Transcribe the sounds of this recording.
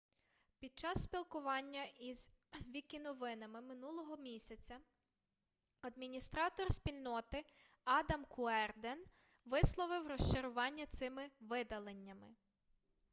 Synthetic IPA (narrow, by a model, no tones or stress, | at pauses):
pʲid̪̚t͡ʃɑsːpʲilˠkʊʋɑnʲːɐʔizʋʲikʲɪnɔʋɪnɐmɪmɪnulˠɔɦɔmʲisʲɐt͡sʲɐ | ɐd̪mʲinʲist̪ɾɑt̪ɔrsʲpʲilʲnɔt̪ɪ | ɑd̪ɐmkʰʊɛrd̪en | ʋɪslˠɔʋɪwrɔʃt͡ʃɪɾʊʋɑnʲːɐt̪sɪmɪʋɪd̪ɐlˠenʲːɐmɪ